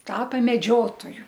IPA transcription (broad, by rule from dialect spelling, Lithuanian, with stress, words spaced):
ˈtɑːpɐ mʲɛˈd͡ʒʲoːtoːjʊ